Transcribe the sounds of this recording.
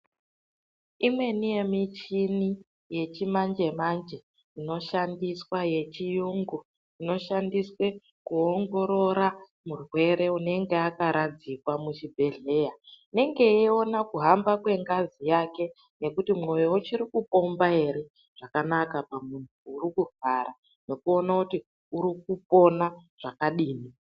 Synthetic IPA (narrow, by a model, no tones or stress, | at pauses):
imwe̞nije̞mit͡ʃini | je̞t͡ʃimand͡ʒe̞mand͡ʒe̞ | ino̞ʃandiswaje̞t͡ʃijuŋɡu | ino̞ʃandiswe̞ | kuoŋɡo̞ɾo̞ɾa | murwe̞ɾe̞une̞ŋɡe̞akaɾad͡zikwamut͡ʃibʱe̞ɮe̞jaine̞ŋɡe̞io̞nakuɦambakwe̞ŋɡazijake̞ | ne̞kutimwo̞jewut͡ʃiɾikupo̞mbae̞ɾe̞ | ʐ̥akanakapamuntʰuːɾikuvaɾa | ne̞kuo̞nakuti | uɾik̚upo̞naʐ̥akaɗiːmi